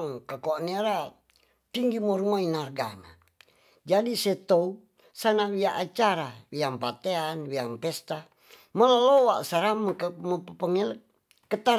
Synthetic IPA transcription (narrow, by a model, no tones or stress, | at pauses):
ŋkakoniaɾa | t̪iŋɡimoɾumainarɡa̰na | d͡ʒadisɛt̪ou | sanawiaʔat͡ʃaɾawiaŋpat̪eanwiaŋpɛst̪a | məlalowaʔsaɾamməpəpəŋɛlː | ət̪a